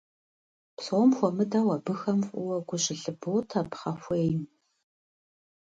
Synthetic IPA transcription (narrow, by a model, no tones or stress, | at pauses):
psomxʷɔmɨdɐwɐbɨxɐmfʼʊwɐɡʷʊɕɪɬɨbɨwtʰɐpχɐfʷeːjm